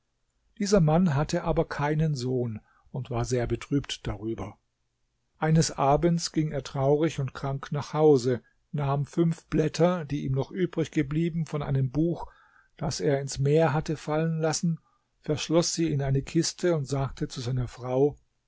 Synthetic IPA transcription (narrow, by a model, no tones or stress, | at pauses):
d̥iːzɐmanɦatʰəʔaːbɐkʰaɪnənzoːn | ʊntv̥aːɐzeːɐbətʁ̥yːptd̥aʁyːbɐ | ʔaɪnəsʔaːbən̩t͡sɡ̥ɪŋeːɐtʁ̥aʊʁɪçʊntkʁ̥aŋknaːχhaʊzə | naːmfʏnfb̥lɛtʰɐdiːʔiːmnɔχʔyːbʁɪçɡ̥əbliːbm̩fɔnʔa̰ɪnəmbuːx | d̥aseːɐɪnsmeːɐɦatəfalənlasn̩ | fɛɐʃlɔsz̥iːɪnaɪnəkʰɪstʰəʊntz̥aːk̚tʰət͡suzaɪnɐfʁ̥aʊ